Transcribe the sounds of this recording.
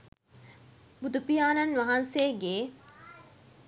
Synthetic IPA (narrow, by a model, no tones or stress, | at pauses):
bud̪upijaːnɐnʋaɦanseːɡe